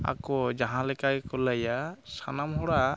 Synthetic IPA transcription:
a̰kɔd͡ʒaɦãlɛkajkɔlajasanamɦɔɽa

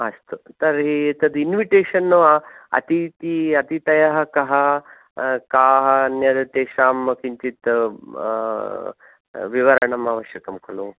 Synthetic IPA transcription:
ɐst̪ut̪ɐɾɦit̪ɐd̪inʋiʈeːʂɐnːuɐ̰t̪it̪iɐt̪it̪ɐjɐɦɐ̆kɐɦɐ | kaːɦɐnjɐd̪ɐt̪eːʃaːmɐkiɲt͡ʃit̪ | ʋiʋɐɾɐɳɐmaːʋɐʃjɐkɐmkʰɐlu

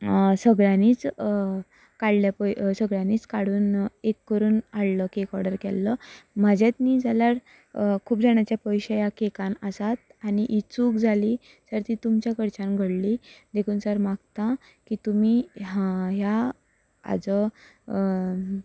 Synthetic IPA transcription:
səɡɭaniːt͡s | kaɽljapəsəɡɭaniːt͡skaɽuːnekːəɾuːnaɽləkekɔɾɖəɾkɛlːəməd͡ʑjat̪niːd͡zalaɾ | kʰuːpd͡zaɳ̃jat͡ɕjapəwjɕəjakekãnasat̪̚añiʔit͡suːkd͡zʱaliː | səɾt̪iːt̪umt͡ɕjakəɾt͡ɕanɡʱəɽlid̪ekʰuːnsəɾmaɡt̪a | kiːt̪umiɦaja | a̰d͡zə

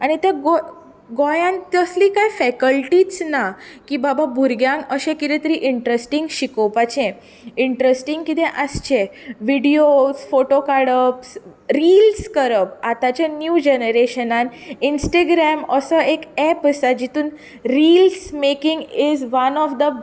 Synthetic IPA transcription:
aɽ̃it̪aɡo | ɡojãnt̪jəsliːkajfɛkəlʈit͡snakibababʱuɾɡjãŋɡəɕẽkit̪ɛt̪əɾiʔiɳʈɾesʈiŋɡɕikopat͡ɕẽ | iɳʈɾesʈiŋɡkit̪ẽʔast͡ɕẽʋiɽiosfoʈokaɽəps | ɾilskəɾəpat̪at͡ɕanjud͡ʑenəɾeɕənaninsʈeɡɾɛməsəekɛpəsad͡ʑit̪uːn | ɾilsmekiŋɡizʋanɔfd̪ə

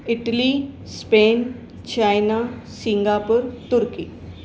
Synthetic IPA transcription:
iʈəlispen | t͡ɕajnasĩŋɡapəɾt̪uɾki

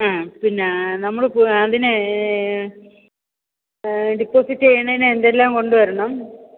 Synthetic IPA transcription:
aːpinːenɐmːɐɭpɐðinɨ | ɖipːoːsitːeːɳɐinɨend̪elːaːmko̞ɳɖuʋɐɾuɳɐm

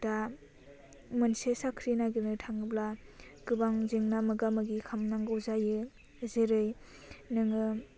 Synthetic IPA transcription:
da | mɯnsesakʰɾinaɡinɯtʰaŋɯbla | kɯbaŋzeŋnamɯɡamɯɡikʰamnaŋɡɯwzajɯ | zeɾɯj | nɯŋɯ

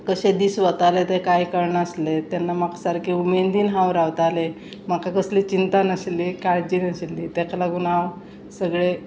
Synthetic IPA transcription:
kəɕed̪iːsʋət̪alet̪ekajkəɾɳəslet̪janːamaksaɾkʰeumend̪iːnɦãwɾaʋt̪ale | m̤akakəsliːt͡ɕint̪anəɕlːiːkaɽd͡ʑiːnəɕlːiːt̪ɛkalaɡunaw | səɡɭe

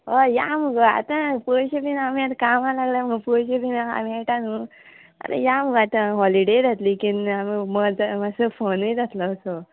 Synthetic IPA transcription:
ɔjaməɡəa̰t̪apəɕebinamiat̪kamalaɡlaməɡpəɕebinaa̰meʈanu | a̰ɾḛjaməɡat̪ãɦɔliɽed͡zʱat̪likinamiməd͡zmasəfənəjd͡zat̪ləːso

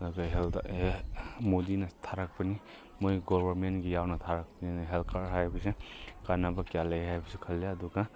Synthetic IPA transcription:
ɐduɡaɦelda̰emodinɐtʰaɾak̚pɐni | mojɡɔbʱɐɾmentɡijawnɐtʰaɾak̚pəninɦeltkʰaɾɦajbisekanabakjalajɦajbisekʰɐljaɐduɡa

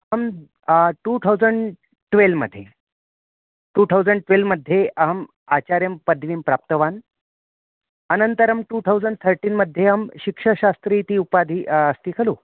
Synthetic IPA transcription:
ɦəm | ʈut̪ʰawd͡zəɳɖ | ʈʋelmə̰d̪ʱːje | ʈuːt̪ʰawd͡zəɳɖʈʋelməd̪ʱjeəɦəm | at͡ɕaɾjəmpəd̪ʱʋiːmpɾap̚t̪əʋan | ənənt̪əɾəmʈut̪ʰawd͡zəɳɖt̪ʰəɾʈiːnməd̪ʱːjeɦəmɕikʂəɕast̪ɾiːt̪iːupad̪ʱiːʔəst̪iːkʰəluː

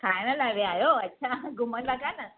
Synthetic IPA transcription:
kanalaʋeajoat̚ːɕʰaɡumənlakanə

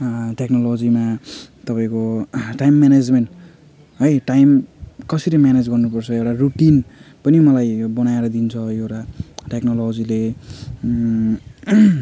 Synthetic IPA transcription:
ʈeknolod͡zimat̪ʌpaĩkoʈajmːaned͡zmeɳʈ | ɦʌjʈːajmkʌsiɾʌmjaned͡zɡʌrnupʌrt͡sʰʌewʈaruʈinpʌnimʌlajbʌnaeɾʌd̪int͡sʰʌewʈaʈeknolod͡zile

